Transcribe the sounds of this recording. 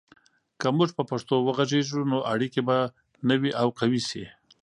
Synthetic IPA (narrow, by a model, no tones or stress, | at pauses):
kəmʊʒpəpaʂt̪owəɣazeʒunoʔaɽikeba | nəwiʔawqawisi